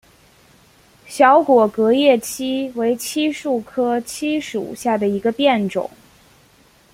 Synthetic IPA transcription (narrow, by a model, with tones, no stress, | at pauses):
ɕjɑ˧˥ʊkwɔ˨˩kɤ˧˥jɛ˥˩t͡ɕʰi˥we˧˥ɪt͡ɕʰi˥ʂu˥˩kʰɤ˥t͡ɕʰi˥ʂṵ˨˩ɕja˥˩d̪ə˩i˧˥ɡə˧pjɛ˥˩nʈ͡ʂʊ̰˨˩˦ŋ